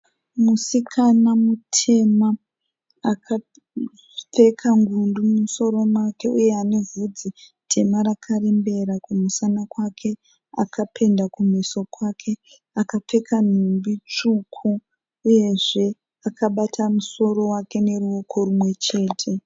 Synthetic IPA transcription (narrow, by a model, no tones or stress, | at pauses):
musikʰanamutʰe̞maː | kʰa | p͡fe̞kʰaŋɡundumuso̞ɾo̞mwake̞uje̞ane̞vʱud͡zitʰe̞maɾakʰaɾembe̞ɾakumusanakwakʰe̞ | a̰kʰapʰe̞ndakumiso̞kwakʰe̞ | akap͡fe̞kʰan̤umbit͡ʂukʰu | uje̞ʐe̞ | akʰaɓatʰamuso̞ɾo̞wake̞ne̞ɾuo̞kʰo̞rumwe̞t͡ʃe̞ːtʰe̞